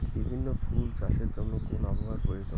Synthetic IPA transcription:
bibʱinːofʰult͡ɕaʃeɾd͡ʑɔnːokonaboɦaɾkoed͡ʑɔ

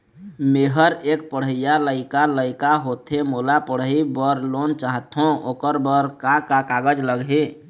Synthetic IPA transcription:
meɦəɾek̚pəɽ̤ɦəjaləɪkaləɪkaɦot̪ʰemolapəɽ̤əibəɾlont͡ʃaɦət̪ɦõokəɾbəɾkakakaɡəd͡ʒləɡɦe

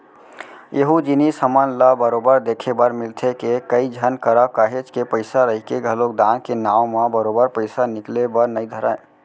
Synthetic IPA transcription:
eɦud͡ʒinisɦəmənləbəɾobəɾd̪ekʰebəɾmilt̪ʰekekəid͡ʒʱənkəɾəkəɦet͡ʃkepəɪsaɾəɦikeɡʱəlok̚d̪ãnkenawmə̃bəɾobəɾpəɪsaniklebəɾnəjd̪ʱəɾa̰e

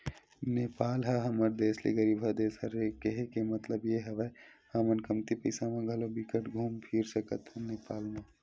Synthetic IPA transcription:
neːpaːlɦɐɦɐməɾd̪eːslḛɡəɾiːbʱɐd̪eːsɦɐɾekeɦekemɐt̪ləbjeɦɐʋə | amənkɐmt̪ipəɪsamãɡʱɐlobikəʈɡʱuːmpʰiɾsɐkət̪ɦneːpaːlmãː

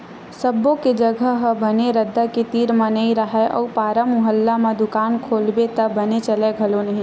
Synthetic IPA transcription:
səbːõked͡ʒəɡʱəɦəbəneɾəd̪ːaket̪iːɾmãnəiɾəɦaʔɔ̰ːpaːɾəmːʊɦəlːamãd̪ʊkaːnkʰoːlbet̪ɐbɐnet͡ʃəleɡʱɐlonɐɦĩ

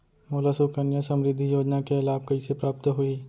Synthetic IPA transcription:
moːlasukənjasɐ̃mɾɪd̪ʱːijoːd͡ʒnakeelaːbkɐisepɾaːp̚t̪ɦui

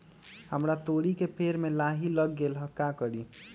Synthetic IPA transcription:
ɦəmɾat̪oɽikepʰeɾmelaɦiləɡːelɦəkːakəɾi

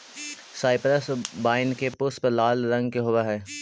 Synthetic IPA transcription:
saːɪpɾəsbaːɪnkepʊspəɾlaːlɾɐ̃ŋɡkeɦoːʋaɦɛː

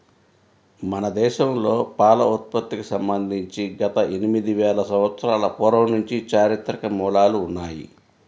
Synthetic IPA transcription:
mɐnɐd̪ɛːʃɐmlo̞ːpaːlɐut̪̚pɐt̪ːikusɐmbɐnd̪ʱiɲt͡ʃiɡɐt̪ɐʔe̞nimid̪iʋɛːɭɐsɐmʋɐt̪sɐɾaːlɐpɔːɾɐwnuɲt͡ʃit͡ʃaːɾit̪ɾɐkɐmuːlaːluːnːaːjḭ

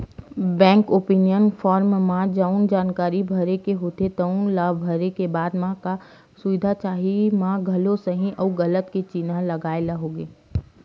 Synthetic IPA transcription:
bɛ̃ːŋkoːpiːnijənfɔːɾmmãd͡ʒaʊnd͡ʒaːnkaːɾibʱɐɾekeɦoːt̪et̪əʊnlaːbʱəɾekebaːd̪mãka | sʊʋɪd̪ʱat͡ʃaːɦimãɡʱɐlõsəɦĩʔɔːɡɐlət̪ket͡ʃinãlɐɡaːelaɦoːɡeː

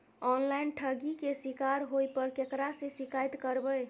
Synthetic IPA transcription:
ɔnlajnʈʰəɡikesikaɾɦojpəɾkekɾasẽsikajt̪kəɾbəj

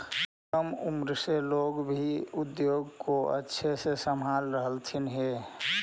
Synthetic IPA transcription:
kəmumɾseloɡbʱiʊd̪joːɡkoə̰tːʃʰesesəmɦalɾəɦəlt̪ʰinɦe

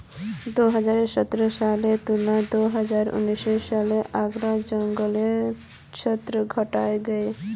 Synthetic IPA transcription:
d̪oɦad͡ʒaɾesɔt̪ːɾosalet̪unad̪oɦəd͡ʒaɾṵniʃɔjʃaleʔaɡɾad͡ʒɔŋɡole | ʃʰɔt̪ːɾoɡʱɔʈaeɡɛe

